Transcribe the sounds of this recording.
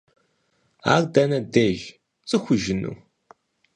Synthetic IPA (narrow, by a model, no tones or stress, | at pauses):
a̰ːrdɐnɐdeʒ | t͡sʼɨxʷʊʒɪnṵː